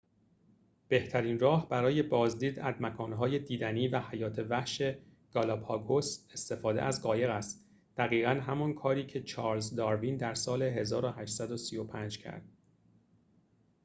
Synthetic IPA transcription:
b̥e̞ht̪ʰæɾiːnrɒːhb̥æɾɒːje̞bɒːzd̪iːd̪æzmækʰɒːnɦɒːje̞d̪iːd̪æniːvæhæjɒːt̪ʰe̞væhʃe̞ | ɡ̥ɒlɒbɒːɡose̞st̪e̞fɒːd̪ḛʔæzɢɒːje̞ɣæst̪ | d̪̥æɣiːɣænɦæmɒnkʰɒːɾiːcʰe̞t͡ʃʰɒːɾlzd̪ɒːɾvind̪æɾsɒːle̞ɦe̞zɒːɾoɦæːʃt̪sæd̪osijopʰænd͡ʒcʰæ̰ɾd̪̥̚

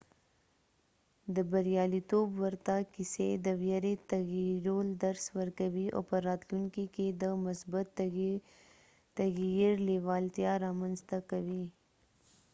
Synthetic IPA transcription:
d̪əbaɾjɑlit̪obwəɾt̪akised̪əwjaɾet̪aɣiɾold̪aɾswəɾkawiʔo̰pəɾɑt̪luŋkiked̪əmʊsbʊt̪ | t̪aɣjiɾlewɑlt̪jɑɾɑmanzt̪akawi

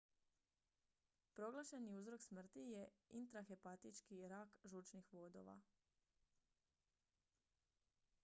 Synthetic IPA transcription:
pɾo̞ɡlˠaʃe̞niuzɾo̞ksmr̩t̪ije̞int̪ɾaxepat̪it͡ʃkiɾaːkʒuːt͡ʃnixʋo̞d̪o̞̰ʋa̰

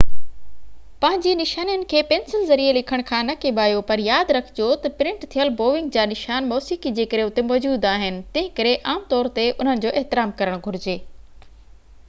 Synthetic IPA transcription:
pɐ̃ɦɪ̃ɲd͡ʑinɪʃaːnijənɪ̆kʰeːpẽːnsɪlzɐɾielɪkʰəɽ̃kʰãːnɐkeːɓaːjopɐɾjaːd̪ɾɐkʰɪ̥d͡ʑot̪ɐpɪɾɪ̃ɳʈt̪ʰijəlboːʋɪ̃ŋɡ̚d͡ʑaːnɪʃaːnmɔːsikid͡ʑeːkəɾeʊt̪emɔːd͡ʑuːd̪aːɦɪnɪ̆t̪ɐ̃ɦɪ̃kɐɾeʔaːmt̪ɔːɾt̪eʔʊn̤ənɪ̆d͡ʑoːʔɛɦt̪ɪɾaːmkɐɾəɽ̃ɡʱʊɾɪd͡ʑeː

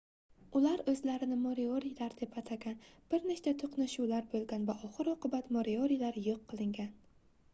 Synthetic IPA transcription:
ʊlaɾɵzlaɾɪnɪmoɾioɾijlaɾd̪e̞pʰat̪ʰaɡʲanb̥ɪɾneʃt͡ʃ̪at̪ʰoqnaʃulaɾbolˠɡʲanvaʔɒχɨɾoqɨbat̪moɾioɾijlaɾjoqʰːɨlˠɪŋɡʲan

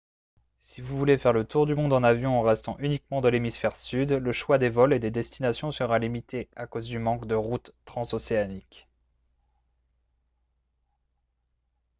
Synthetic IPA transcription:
sivuvulefɛʁlət̪uʁd̪ymɔ̃d̪ɑ̃navjɔ̃ɑ̃ʁɛst̪ɑ̃ʔynikmɑ̃d̪əlemisfɛʁsyd̪ləʃwad̪evɔled̪ed̪ɛst̪inasjɔ̃səʁalimit̪ʰeakozd̪ymɑ̃kd̪əʁut̪ːχɑ̃soseanik

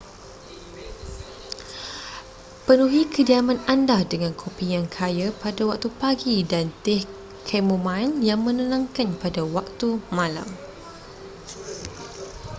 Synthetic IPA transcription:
pənuɦikədiamãnandahdəŋãnkʰopijaŋkʰajapadawak̚t̪upaɡidant̪ɛh | kʰɛmomãnjaŋmə̃nənãŋkanpadawak̚t̪umãla̰m

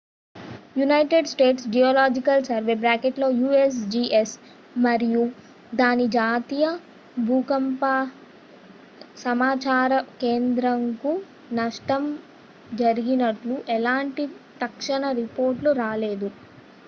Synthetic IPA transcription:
junɐjʈeɖsʈeːʈsd͡ʒijoːlaːd͡ʒikɐlsɐɾʋe̞ːbɾaːkeʈlo̞ːjuːesd͡ʒiːʔes | mɐɾiju | d̪aːnid͡ʒaːt̪iːjɐ | bʱuːkɐmpa | sɐmaːt͡ʃaːɾɐkeːnd̪ɾɐŋku | nɐʂʈɐm | d͡ʒɐɾiɡinɐʈluʔɛlaːɳʈit̪ɐkʂɐɳɐɾipo̞ːɾʈluɾaːle̞ːd̪u

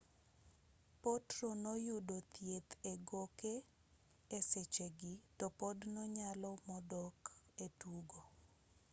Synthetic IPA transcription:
pɔtɾonɔjudot̪jet̪eɡoke | eset͡ʃeɡitɔpɔdnɔɲalɔmɔdɔketuɡo

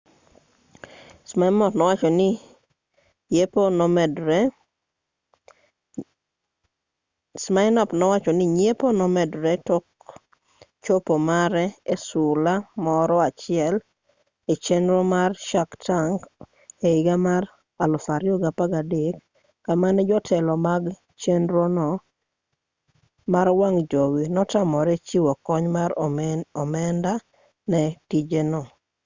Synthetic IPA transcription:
smaɪmɔtnɔwat͡ʃɔnɪ | eponɔmɛdɾɛ | smaɪnɔpnɔwat͡ʃɔnɪɲeponɔmɛdɾɛtɔk̚ | t͡ʃopomaɾɛesʊlamɔɾɔat͡ʃɪɛl | et͡ʃenɾomarʃaktaŋɡ | eiɡamaɾ | alɔfaɾjɔɡapaɡadekː | amanɛd͡ʒɔtʰɛlɔmaɡ | t͡ʃenɾonɔ | maɾwaŋd͡ʒowinɔtamɔɾɛt͡ʃiwɔkɔɲmaɾɔmɛnda | nɛtid͡ʒenɔ

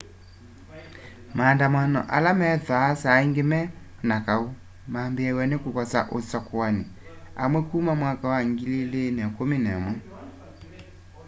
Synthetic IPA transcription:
maːndamanɔ̰ʔalamɛðasaeŋɡemɛ | nakao | mambeawɛnekokɔsaʔosakwane | a̰mwɛkuːmamwakawaŋɡilelenɛkominɛmwɛ

